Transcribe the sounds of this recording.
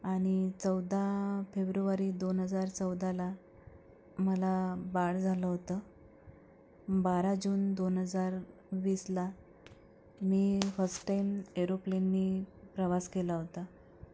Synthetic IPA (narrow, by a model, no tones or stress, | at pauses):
aɽ̃it͡səwd̪ʱafebɾuʋaɾiːd̪onɦəd͡zaɾt͡səwd̪ʱala | məlabaɽd͡zʱaləɦot̪əː | baɾad͡ʑuːnd̪onɦəd͡zaɾ | ʋisla | miːfəsʈʈːajmeɾoplenːiːpɾəʋaskelaɦot̪a